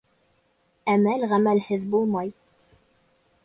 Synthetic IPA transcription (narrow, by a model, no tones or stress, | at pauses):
æmælʁæmælhɘðbulˠmɑj